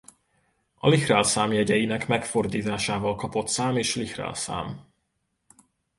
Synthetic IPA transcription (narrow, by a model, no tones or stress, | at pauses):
ɒ̰lihraːlsaːmjɛɟɛjinɛkmɛkfo̞rd̪iːt̪aːʃaːvɒlkɒpo̞t̪saːmeːʃlihra̰ːlsa̰ːm